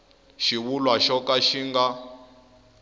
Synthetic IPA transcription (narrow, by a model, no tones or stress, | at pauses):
ʃiβulwaʃɔkaʃiŋɡa